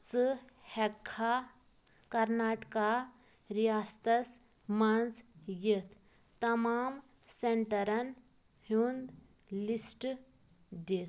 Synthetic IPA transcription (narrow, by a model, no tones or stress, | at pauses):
t͡sɨhɛkʰːa | kɐɾnaʈka | ɾijast̪ɐs | mɐnd͡zjet̪ː | ɐmaːm | seɳʈɐɾɐn | hund̪ | lisʈ | d̪et̪